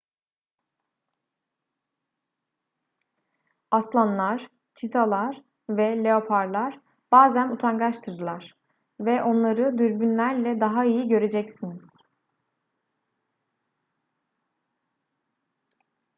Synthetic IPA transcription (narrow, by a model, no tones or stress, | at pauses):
aslˠanlˠaɾ̥ | t͡ʃʰit̪ʰalˠaɾ̥ | vɛlʲeo̞pʰaɾlˠaɾ̥ | b̥aːzænut̪ʰaŋɡaʃt̪ʰɯɾd̪ɯlˠaɾ̥ | vɛʔo̞nlˠaɾɯd̪yɾbynlʲæɾlʲɛd̪aɦaijiɟø̞ɾe̞d͡ʒɛcsiniz̥